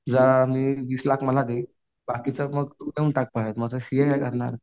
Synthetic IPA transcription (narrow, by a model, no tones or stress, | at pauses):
d͡zamiːʋiːslakʰməlad̪e | bakit͡səməɡt̪umeuɳʈak̚paɦet̪mət͡səɕijəkajkəɾɳa̰ɾ